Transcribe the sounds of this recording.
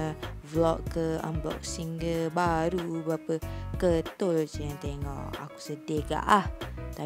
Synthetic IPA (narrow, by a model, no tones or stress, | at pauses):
vlɔʔkəa̰mblɔ̰k̚siŋɡəbaɾubapəkət̪olt͡ʃəjaŋt̪eŋɔ̰ʔa̰ku̥sədeɡa̰ʔlaht̪a